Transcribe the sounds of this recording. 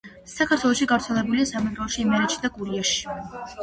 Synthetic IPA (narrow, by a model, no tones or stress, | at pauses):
sakʰaɾt̪ʰwɛlˠɔʃiɡavɾt̪sʰɛlɛbuliasamɛɡɾɔɔʃiːmɛɾɛt͡ʃʰid̪akʼuɾiaʃi̥